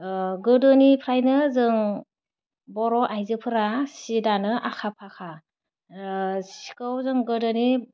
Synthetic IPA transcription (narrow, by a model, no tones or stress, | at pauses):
ɡɯdɯnipʰɾajnɯzɯŋ | bɔɾɔʔajzɯpʰɯɾasidanɯʔakʰapʰakʰa | si̥kɯwzɯŋɡɯdɯni